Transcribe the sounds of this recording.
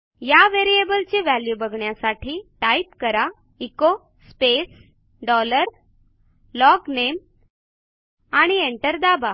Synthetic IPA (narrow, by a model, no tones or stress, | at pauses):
jaʋeɾiebəlt͡ɕeʋæljubəɡʱɳjasaʈʰiːʈajpkəɾa | iko | spes | ɖɔləɾ | lɔɡnem | aɽ̃ieɳʈəɾd̪aba